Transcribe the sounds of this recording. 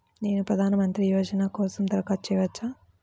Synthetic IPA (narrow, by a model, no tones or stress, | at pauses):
ne̞ːnupɾɐd̪ʱaːnɐmɐnt̪ɾijoːd͡ʒɐnaːkɔːsɐmd̪ɐɾɐkaːt͡ʃɛːʋɐt͡ʃːaː